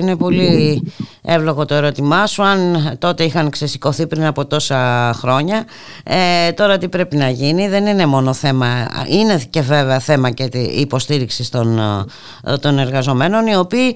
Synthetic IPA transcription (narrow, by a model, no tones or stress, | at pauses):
ine̞po̞li | evlo̞ɣo̞t̪o̞e̞ɾo̞t̪imɐsuɐnt̪o̞t̪e̞ixɐŋksesi̥ko̞θipɾinɐpo̞t̪o̞sɐxɾo̞ɲɐ | et̪o̞ɾɐt̪ipɾe̞pinɐʝiniðe̞nine̞mo̞no̞θe̞mɐine̞ce̞ve̞veɐθemɐcet̪ipo̞st̪iɾiksist̪on | t̪o̞ne̞ɾɣɐzo̞me̞no̞nio̞piː